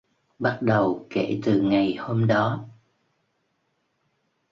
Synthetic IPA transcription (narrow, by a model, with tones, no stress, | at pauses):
ɓa˦˥t̚ɗə˨˩wkḛ˧˩t̪ɨ˨˩ŋa˨˩jho˧mɗɔ˨˦